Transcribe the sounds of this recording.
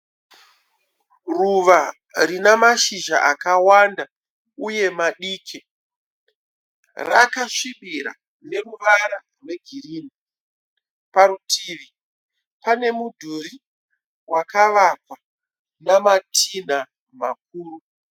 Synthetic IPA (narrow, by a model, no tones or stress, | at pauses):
ruʋa | rinamaʃiʒa̰ʔakawanda | uje̞maɗiːkʰe | rakaʂiɓiɾa̰ | ne̞ruʋaɾa | rwe̞ɡʱiriːni | paɾutʰiːʋi | pane̞mudʱuɾi | wakaʋakwa | namatʰina | mak̚uːru